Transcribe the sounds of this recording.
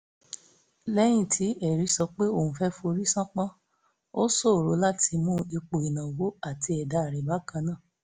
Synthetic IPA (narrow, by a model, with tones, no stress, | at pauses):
lɛ˦j̃ĩ˦˨tʰi˨˦ɛ˦˨ɾi˨˦sɔ˧k͡pe˦o˦˨hũ˨fɛ˦fo˧ɾi˦sã˦k͡pã˦ | o˦so˦˨ɾo˨˦la˦tʰi˧mũː˦i˧k͡po˨i˨nã˨wo˦a˦˨ti˧ɛ˨da˨˦a˨ɾɛ˨ba˨˦kã˧nã˦˨